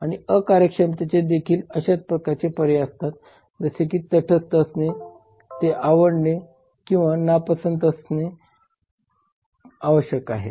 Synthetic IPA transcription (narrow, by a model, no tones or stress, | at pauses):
aɽ̃iəkaɾjəkʂəmt̪et͡ɕed̪ekʰiːləɕat͡s̪̚pɾəkat͡sepəɾjeast̪at̪ | d͡zəsekiːt̪əʈʰəst̪əsne | t̪eʔaʋəɽɳe | kĩw̃ʋanapəsənt̪əsne | aʋəɕjəkaɦḛ